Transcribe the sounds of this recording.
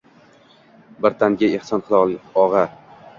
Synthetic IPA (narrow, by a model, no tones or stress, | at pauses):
bɪɾt̪ʰaŋɡʲaehsɒnqʰɨlˠɒlˠɒʁɑ